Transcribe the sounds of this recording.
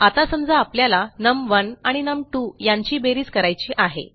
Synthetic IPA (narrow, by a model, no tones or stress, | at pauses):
at̪asəmd͡zaːpljalanəmʋənaɽ̃inəmʈujaɲt͡ɕiːbeɾiːt͡skəɾajt͡ɕiːʔaɦḛ